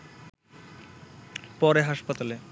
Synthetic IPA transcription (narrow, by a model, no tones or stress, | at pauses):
pɔɾeɦaʃpat̪ale